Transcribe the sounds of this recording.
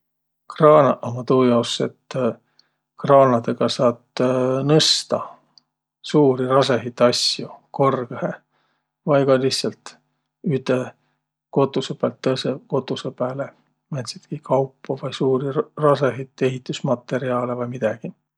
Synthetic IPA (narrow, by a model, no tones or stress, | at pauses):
krɑːnɑʔomɑt̪uːjɑwse̞̰t̪ː | krɑːnɑd̪e̞ɡ̥ɑsɑːt̪nɤst̪ɑ | suːɾirɑseɦit̪ːˑɑsjuko̞rɡehe | vɑjɡɑliçssɑlt̪ | yt̪ˑe | ko̞t̪ːˑusepælt̪ːɤseko̞t̪ːˑusepæːle | mæt̪sit̪kikʰɑwpːɑvɑjsuːɾirɑseɦit̪ːˑe̞ɦit̪ˑːusmɑt̪ːˑe̞ɾiɑːlevɑjmid̪̥ɑɡ̥i